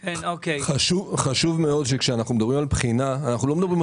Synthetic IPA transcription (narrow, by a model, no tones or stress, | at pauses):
keokeχaʃuvχaʃuvmeo̞d̪ʃekʃeanaχnumed̪ɐbʁimalpχinaːnaχnulo̞med̪ɐbʁim